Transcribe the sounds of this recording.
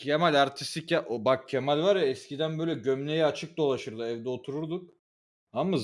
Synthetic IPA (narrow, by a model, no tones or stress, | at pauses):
cʰemalʲaɾt̪ʰi̥st̪icaʔobak̚cʰemalʲvaɾjaɛscid̪ænbø̞jlʲɛɟømlʲe̞jɛat͡ʃʰɯk̚d̪o̞lˠaʃɯɾd̪ɯɛvd̪ɛot̪ʰuɾuɾd̪uk̚ | ama